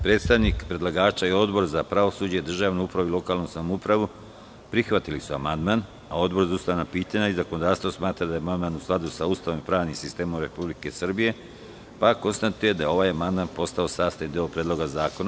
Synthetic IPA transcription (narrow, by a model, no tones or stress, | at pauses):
pɾe̞ːt̪st̪aʋnikpɾe̞d̪lˠaɡaːt͡ʃaio̞d̪bo̞ɾzapɾaʋo̞suːd͡ʑed̪r̩ʒaːʋnuupɾaʋuilo̞kaːlnusamoupɾaʋu | pɾixʋat̪ilisuamand̪man | ao̞d̪bo̞ɾzaust̪anapiːt̪aɲaizakono̞d̪aːɾst̪vosmaːt̪ɾad̪ajeamand̪maːnusklˠad̪usaust̪aʋompɾaːʋnimsist̪e̞ːmomɾe̞publike̞sr̩bije̞ | pako̞nst̪at̪ujed̪ajeo̞ʋaːjamand̪manpo̞st̪ao̞saːst̪ajnd̪iopɾed̪lo̞ɡazaːko̞na